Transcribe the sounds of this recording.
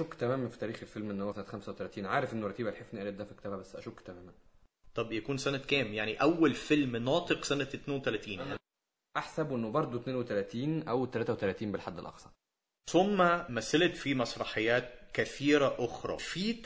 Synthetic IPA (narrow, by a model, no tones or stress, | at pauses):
okːt̪æmæːmænfi̥t̪æːɾiːxelfelmʔenːhowːæsænːæt̪xæmsæwet̪ælæːt̪iːnʕaːɾefʔenːorˤɑt̪iːbælħefniʔæːlet̪̚d̪æːfikːt̪æːbæbæsːʔæʃokt̪æmæːmæn | t̪ˤɑbjækuːnsænækæːmjaʕniʔæwːælfelmnɑːt̪ˤeqsænæt̪neːnwet̪ælæt̪iːnæ | ʔaħsæbʔenːobɑɾˤd̪ˤot̪neːnwet̪ælæːt̪iːnʔæwt̪ːælæːt̪æwet̪ælæːt̪iːmbelħad̪ːelʔɑ̰qsˤɑɾ | somːæmæsælt̪fimɑsˤɾˤɑħejːæːt̪̚kæθiːɾæʔoxɾˤɑ̰ːfi